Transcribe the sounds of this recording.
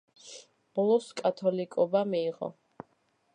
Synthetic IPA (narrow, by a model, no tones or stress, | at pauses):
b̥ɔlˠɔskʼat̪ʰɔlikʼɔbamiːʁɔ̰